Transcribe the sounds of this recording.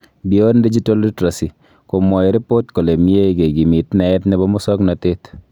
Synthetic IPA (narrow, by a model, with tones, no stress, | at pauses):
bi˨o˦ndi˦d͡ʒi˦ta˦litɾa˨si˨ | ko˨mɔ˨jɾɪ˦po˦t̪ko˨le˨mi˦e˦ɡe˨ɡi˨mɪ˨tnɛ˨ɛ˦t̪nɛ˦bɔ˦mɔ˦sɔ˦knat̪ɪ˦t̪